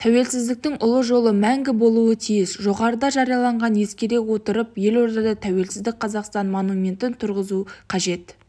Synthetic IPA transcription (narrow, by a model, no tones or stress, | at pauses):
t̪ʰæwe̞lsɪzd̪ɪk̚t̪ɪŋʔʊlˠəʒo̞lˠəmæŋɡʲɪbo̞lˠuət̪ʰijɪsʒo̞ʁɑɾəd̪ɑʒɑɾijɑlˠɑɴʁɑnje̞skʲe̞ɾe̞kwo̞t̪əɾəpje̞lo̞ɾd̪ɑd̪ɑt̪ʰæwe̞lsɪzd̪ɪk̚ʲqʰɑzɑqst̪ɑnmonumʲe̞nt̪ɪnt̪ʰʊɾʁəzuqʰɑʒe̞t̪